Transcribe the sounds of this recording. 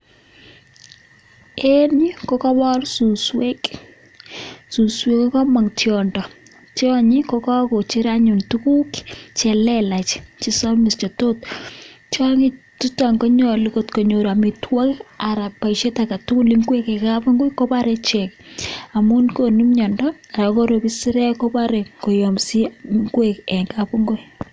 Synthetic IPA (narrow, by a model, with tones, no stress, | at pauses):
eni˦kɔ˦kɔ˦bɔ˦rsu˨swe˦k | suswekɔ˦kɔ˦ma˨ŋtjɔndɔ˨ | tjɔɲi˦kɔkɔ˦ko˨t͡ʃi˦ɾaɲʊ˨ntuku˦kt͡ʃɛ˨lɛla˨t͡ʃt͡ʃi˦sɔ˦mɪ˨st͡ʃɔ˨tot̚t͡ʃɔ˦ŋi˦ | tu˦ta˨ŋko˦ɲɔliko˦tkoɲo˨ɾamitwɔ˦kaɾa˨pːa˨iʃe˦taka˨tu˦ku˦li˦ŋɡwe˦ke˨kapu˦ŋɡo˦jko˦pa˦ɾɛ˦t͡ʃɛka˨mu˦nko˨nu˦mɲɔ˨ndɔa˨ɾa˨koɾobisi˦ɾɛ˦kopa˦ɾɛ˨ko˨jɔmsi˦ŋɡwekɛŋkapu˦ŋɡo˦j